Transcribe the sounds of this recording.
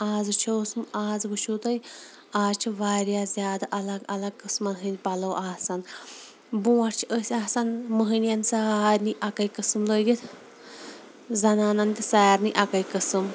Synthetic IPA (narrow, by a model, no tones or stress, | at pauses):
aːzɨt͡ʃʰoːsmaːzʋɨʃʰuːt̪ɐj | aːzt͡ʃʰiʋaːɾʲjaːzʲjaːd̪aʔɐlɐɡɐlɐɡ̚kɨsmɐnɦɨnʲpɐlowʔaːsan | bũːɐɾʲt͡ʃʰiʔəsʲaːsanməɦɨnjɐnsaɦaːɾʲniʔɐkɐjkɨsɨmləːɡit̪ʰ | zɐnaːnant̪ʲisaːɾniʔɐkɐjkəsɨm